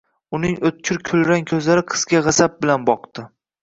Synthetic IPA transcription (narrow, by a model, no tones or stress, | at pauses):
ʊnɪŋɵt̪̚t͡ʃʲʰʊɾkʲʰʊlɾaŋkʲʰɵzlaɾɪqʰɨ̥z̥ɡʲaʁɑsap̚bɪlanbɒqd̪ɪ